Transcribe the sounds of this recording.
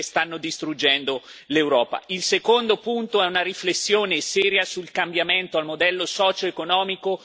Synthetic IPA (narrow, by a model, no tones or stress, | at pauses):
st̪anːod̪ist̪ɾud͡ʒːɛnd̪olewɾɔːpa̰ilsekond̪opunt̪oɛunaɾiflesːjoːnesɛːɾjasulkambjament̪oalmod̪ɛlːosɔːt͡ʃoekonɔːmiko